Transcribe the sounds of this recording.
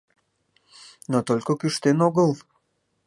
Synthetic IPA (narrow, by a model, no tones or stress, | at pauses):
not̪olʲkokyʃt̪enoɡəlˠ